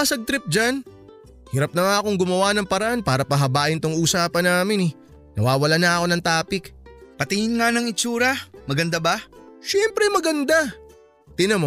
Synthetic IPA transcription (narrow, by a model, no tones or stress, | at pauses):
asɐɡ̚t̪ɾp̚d͡ʒan | hɪɾɐp̚nɐŋaɐko̞ŋɡʊmɐwanɐŋpɐɾɐʔanpaːɾɐpɐɦɐbaːʔɪnt̪oŋuːsaːpɐnaːmɪnɛ | nɐwaːwɐlanɐʔɐko̞nɐŋt̪aːpɪkpɐt̪ɪŋɪnŋanɐŋɪt͡ʃuːɾɐmɐɡɐnd̪abaʃɛmpɾɛmɐɡɐnd̪a | t̪ɪnɐmo